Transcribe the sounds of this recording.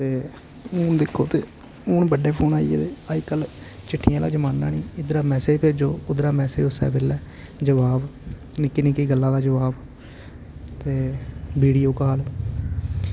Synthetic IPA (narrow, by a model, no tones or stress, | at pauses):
t̪eː | ʊːnd̪ekʰːoːt̪eː | ʊːnbəɖeːpʰoːnaːiḛːt̪eːaːikəl | t͡ʃɪʈʰːɪjãːla̰ːd͡ʒəmaːnːa̰ːniːɪd̪ɾaːmɛːseːpʰeːd͡ʒoːʊd̪ɾaːmɛːsḛːosɛ̰ːbɪlɛː | d͡ʒəʋaːb | nɪkːinĩːkiːɡəlːãːd̪aːd͡ʒəʋaːb | t̪eːbiːɽiːoːkaːloː